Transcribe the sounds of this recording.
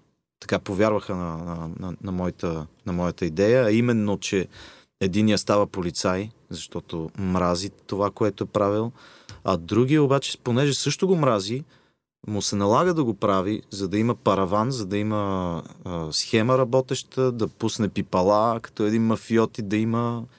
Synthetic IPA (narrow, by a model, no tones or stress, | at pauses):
t̪ɐ̥kapovʲjaɾvəxənɐnənɐnɐmɔjit̪ənɐmɔjət̪əid̪ɛjəːimɛnːot͡ʃɛ | ɛd̪inijəst̪avɐpolit̪sajzɐʃt̪ɔt̪omɾazit̪ovakoɛt̪oɛpɾavilˠ | ɐd̪ɾuɡiobat͡ʃɛ̥ponɛʒɛsɤʃt̪oɡomɾazi | mʊsɛnɐlˠaɡəd̪ɐɡopɾavizɐd̪ɐiməpɐɾɐvanzɐd̪ɐimə | sxɛməɾɐbɔt̪ɛʃt̪əd̪ɐpusnɛpipɐlˠakɐ̥t̪ɔɛd̪inmɐfiɔt̪id̪ɐimə